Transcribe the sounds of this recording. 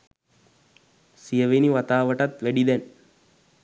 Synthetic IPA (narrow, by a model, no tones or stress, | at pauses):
sijɐʋeniʋɐt̪aːʋɐʈɐt̪ʋæɖid̪ɛn